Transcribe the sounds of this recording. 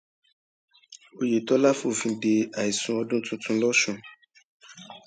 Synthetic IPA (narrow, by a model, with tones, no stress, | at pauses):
o˧je˨tɔ˨˦la˦fu˦˨fĩ˧de˧a˨i˨sũ˧ɔ˧dũ˦tũ˦tũ˧˦lɔ˦ʃũ˦˧˨